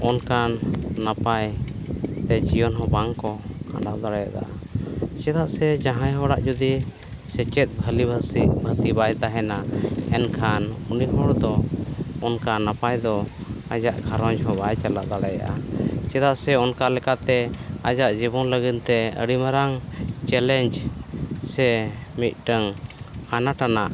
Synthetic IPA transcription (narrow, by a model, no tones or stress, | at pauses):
ɔnkanːapaj | t̪ɛd͡ʒijɔnɦɔbaŋkɔka̰na̰ʔd̪aɽaja̰d̪a̰ʔa | t͡ʃɛd̪aʔsɛd͡ʒãɦãjɦɔɽa̰ʔd͡ʒud̪i | sɛt͡ʃɛt̪̚ˀbʱəlibʱəsiʔbʱət̪ibajt̪aɦɛnaɛnkʰanuniɦɔɽd̪ɔɔnkanapajd̪ɔad͡ʒaʔɡʱaɾɔɲd͡ʒɦɔbajt͡ʃalaʔd̪aɽaja̰ʔat͡ʃɛd̪aʔsɛɔnkalɛkat̪ɛad͡ʒaʔd͡ʒiβɔnləɡint̪ɛə̰ɽimaɾaŋt͡ʃɛlɛɲd͡ʒ | sɛmit̪̚ˀʈəŋanaʈanaʔ